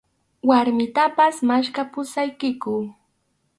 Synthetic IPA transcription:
waɾmɪt̪apasmaʃkapʊsajkɪkʊː

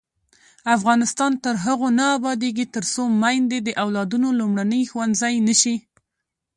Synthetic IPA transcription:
afɣɑnɪst̪ɑnt̪əɾɦaɣonaːbɑd̪eɡit̪əɾsomajnd̪ed̪əʔawlɑd̪unolumɽanəjxwand̪zajnəʃi

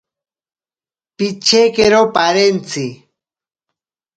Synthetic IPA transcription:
pit͡ʃekeɾopaɾent͡si

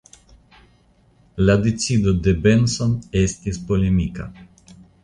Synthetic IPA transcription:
lad̪e̞t͡sid̪od̪e̞be̞nso̞ne̞st̪ispo̞lemika̰

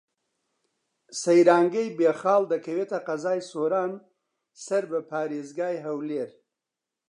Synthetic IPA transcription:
sɐjɾaːŋɡɐjbeːxɑːld̪ɐkʰɐweːt̪ɐqɐzaːjsoːɾaːn | sɐɾbɐpʰaːɾeːzɡaːjɦɐwleːɾ

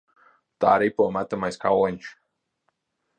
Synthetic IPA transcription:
t̪a̰ːɾipuːmat̪amajskawɛnʲʃ

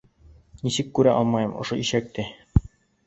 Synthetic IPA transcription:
nisɘkːʉɾæʔɒ̰lˠmɑjɤmʔŏʃoiɕæk̚t̪ɘ

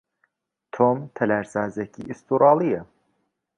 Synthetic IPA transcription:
t̪ʰomt̪ʰɛlæɾsaːzecʰḭʔist̪ʰuɾɑːlˠijɛ

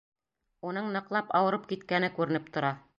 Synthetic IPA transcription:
unɤɴnɤ̆qlˠɑpɑwɤ̆ɾɤp̚kit̪kænɘkʉɾɘ̆nɘpt̪ŏɾɑ

